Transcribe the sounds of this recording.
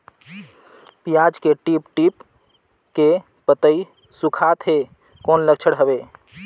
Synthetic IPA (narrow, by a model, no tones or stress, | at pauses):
pijaːd͡ʒkeʈiːpʈip | ke | pət̪əi | sʊkʰat̪ʰɦe | koːnləkt͡ʃʰəɽɦəʋeː